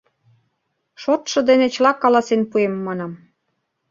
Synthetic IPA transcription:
ʃot̪ʃɤ̆d̪enet͡ɕlɑkːɑlɑsenpuemːɑnɑm

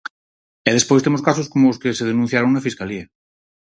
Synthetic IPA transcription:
eð̞espojst̪emoskasoskomooskeseðenũ̟θjaɾoŋnafiskaliɐ

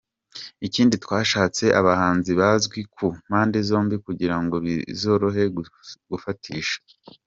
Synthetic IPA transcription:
iciːnditwaːʃaːt͡se̞ʔaβahaːnziβazɡwikʰum̥aːndezo̞ːmbikuɟiɾaŋɡo̞βizo̞ɾo̞ɦe̞ɡ̥ufatʰiːʃḁ

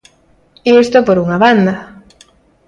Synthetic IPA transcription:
est̪opoɾuŋaβand̪ɐ

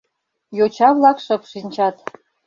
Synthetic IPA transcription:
jot͡ɕɑvlˠɑkʂɤ̆pʂinʲt͡ɕɑt̪

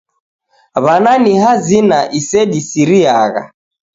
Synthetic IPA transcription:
βananihazinaʔisɛɗisiɾiaɣa̰

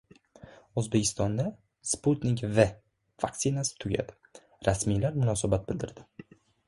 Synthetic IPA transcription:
ɵzbe̞kʲʰɪst̪ɒnd̪a | sput̪nʲɪkʲve | vak̚t̪sɪnasɪ̥t̪ʰʊɡʲa̰d̪ɪ | ɾasmijlaɾmʊnɒːsabat̪̚bɪld̪ɪɾd̪ɪ

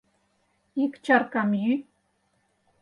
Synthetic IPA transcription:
ɪkt͡ʃaɾkamjy

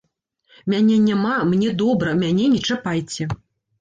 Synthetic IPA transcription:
mʲanʲɛnʲamamnʲɛd̪ɔbɾɐmʲanʲɛnʲɛt͡ʂapajt͡sʲɛ

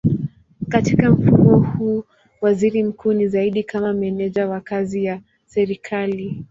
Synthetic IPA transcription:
katikam̩fuɔhuː | waziɾim̩kʰuːnizaiɗikʰamamɛnɛʄawakazija | sɛɾikʰali

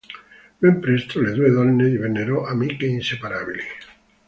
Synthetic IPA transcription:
bempɾest̪oleðweðonnːeiβeneɾoʔamikeinse̞paɾaβili

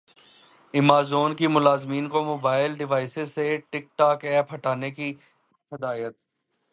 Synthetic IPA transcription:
ɪmaːzoːnkimʊlaːzmiːnkomoːbaːɪlɖɪʋaːɪsɪzseʈɪk̚ʈaːkɛːpɦɐʈaːneki | hɪd̪aːjət̪̚

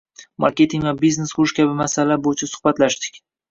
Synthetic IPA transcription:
ma̰ɾkʲe̞t̪ʰiŋvabizne̞sχʊʃkʲʰabɪmasalabojɪt͡ʃʰasʊ̥hbat̪laʃd̪ɪ̥kʲ

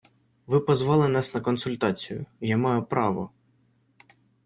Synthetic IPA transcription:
ʋɪpɔzʋɑlˠɪnɑsnɐkɔnsʊlʲt̪ɑt͡sʲijʊ̰jamɑjʊpɾɑʋɔ̰

